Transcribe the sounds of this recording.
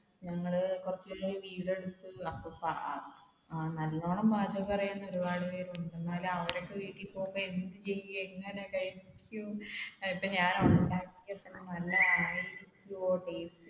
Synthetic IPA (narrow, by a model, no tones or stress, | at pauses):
ɲɐŋːɐɭkurɐt͡ɕːilːoɭiʋiːle̞ɽut̪ːɨɐpːopːa | aːnɐlːoːɳɐmbʱaːd͡ʑɐɣɐɐrɐjunːɐo̞ɾubaːɽɨpeːɾuɳɖe̞nːaːluɐʋɐɾo̞kːeʋiːʈːipːoːumboend̪ɨt͡ɕe̞jːuɐeŋːɐnekɐɻinikʲʰːuipːoɲaːnɐʋɐɳɐkaːkːikʲːɐt̪ːɐnːenɐlːɐɐneiɾikʲːuoːʈe̞ːstɨ